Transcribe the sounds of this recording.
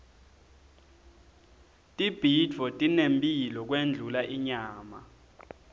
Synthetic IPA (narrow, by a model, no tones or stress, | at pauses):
tʼib̥ʱidvɔtʼinempʼilɔk̬wend͡ɮʱulaʔiɲaːma